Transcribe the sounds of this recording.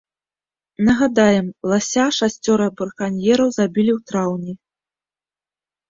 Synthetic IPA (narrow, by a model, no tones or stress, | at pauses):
nɐɣad̪ajɛmlˠasʲaʂasʲt͡sʲɔɾɨbɨɾkanʲjɛɾɐwzabʲilʲiwt̪ɾawnʲi